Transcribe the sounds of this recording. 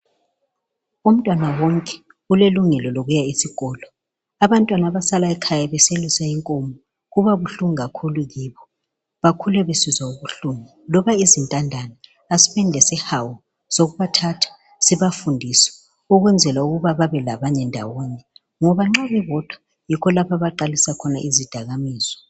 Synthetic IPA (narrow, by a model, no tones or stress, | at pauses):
um̩tʼwanawɔŋkʼɛ̥ | uleluŋɛlɔloɣujaisiɣɔːlɔ | aβantʼwanaβasalaɛkʰajaβɛselisaiŋkʼomɔ | ɣuβaβuɬuŋiɣakʰuluɣiβɔ | βakʰulɛβesizauβuɬuŋi | lɔβaizintʼandʱanaː | si̥βɛndʱɛsɛhawɔ | soɣuβatʰatʰḁ | siβafundʱisɛ̥ | uɣwɛnd͡zʱɛlauɣuβaβaβɛlaβaɲɛndʱa̰wɔɲɛ | ŋɔβaŋ͡ǁaβɛβɔd̥ʱwa | jikʰɔlapaβaǃalisakʰɔnaʔizid̥ʱaɣamiːz̥ɔ̥